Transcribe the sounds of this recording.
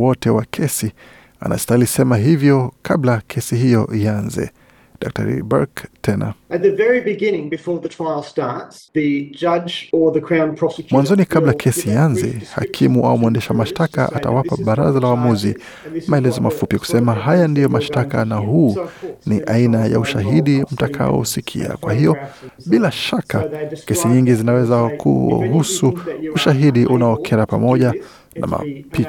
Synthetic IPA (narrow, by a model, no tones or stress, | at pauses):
wɔtɛwakʰɛsi | a̰nʔa̰stailisɛmaɦivjɔkʰablakʰɛsiɦijɔʔianzɛ̰ | dak̚ta̰ɾḭba̰ɹktʰɛna̰ɨt̪̚ðɨvɛɹibɨɡɪ̃nɪ̃ŋbɨfɔɹðɨtʰɹ̥aɪl̩ˠstɑɹtsðɨd͡ʒʌd͡ʒə˞ðɨkʰɹ̥ãʊ̃npʰɹ̥ɑsʰjmwanzɔnikʰablakʰɛsianzɛha̰kʰimuʔa̰umuɛndɛʃamaʃtaka̰ʔata̰wapaɓaɾa̰zalawamuzi | maɛlɛzɔmafupiku̥sɛmaɦajandijɔmaʃtakanaɦuːniʔainaja̰uʃaɦiɗim̩takʰa̰ɔ̰sikʰḭa̰kwahijɔɓilaʃakakɛsiɲiŋɡizinawɛzakʰṵɦusuuʃaɦiɗiʔunaɔkʰɛɾapamɔʄa | na̰ma̰pi